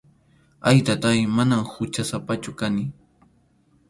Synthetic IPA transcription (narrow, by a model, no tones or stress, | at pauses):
ajt̪at̪ajmanamhʊt͡ʃasapat͡ʃʊkanɪ